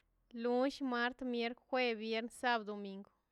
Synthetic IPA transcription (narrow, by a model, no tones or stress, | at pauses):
luʃmaɾt̪mjeɾkxweβjeɾnsaβd̪omiŋɡo